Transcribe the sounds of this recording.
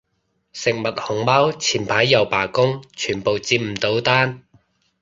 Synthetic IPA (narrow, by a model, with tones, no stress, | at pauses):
sɪ˨k̚mɐ˨t̚hʊ˨˩ŋmaː˥wt͡sʰiː˨˩npʰaː˨˥jːɐ˨wpaː˨˩kʊ˥ŋt͡ʃʰyː˨˩npo˨wt͡siː˧p̚m̩˨˩t̪o˨˥wt̪aː˥n